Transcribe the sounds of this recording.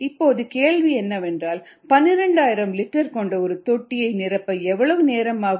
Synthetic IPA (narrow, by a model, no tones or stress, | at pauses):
ɪpːoːðɯkeːɭʋiɛnːɐʋɛndraːl | pɐnːɪɾɛɳɖaːjɪɾɐmlɪʈːɐɾkɔɳɖɐɔɾɯt̪ɔʈːɪjɐɪnɪɾɐpːɐɛʋːɐɭɐʋɯneːɾɐmaːɣ